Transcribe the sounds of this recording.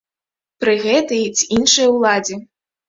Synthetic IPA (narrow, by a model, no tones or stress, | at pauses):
pɾɨɣɛt̪ɐjit͡sʲinʂɨjɐwlˠad͡zʲi